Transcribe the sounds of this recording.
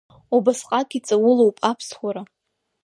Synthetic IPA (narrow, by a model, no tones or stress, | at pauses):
ubasqʼakʼit͡sʼawʊlowpʼapʰsχʷaɾa